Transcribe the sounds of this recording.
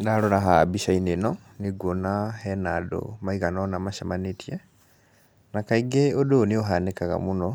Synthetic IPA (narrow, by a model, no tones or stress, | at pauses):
daloɾaɦabiʃainenɔ | niɡonahɛnado̰maiɣanɔnamaʃamanetiɛ | nakaiɡeodoːnioɦanekaɣa̰munɔ